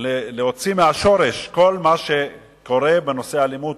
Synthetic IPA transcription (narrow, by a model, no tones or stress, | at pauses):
eleho̞t͡simeaʃo̞ʁeʃko̞lmaʃe | ko̞ʁe̞beno̞se̞alimud̪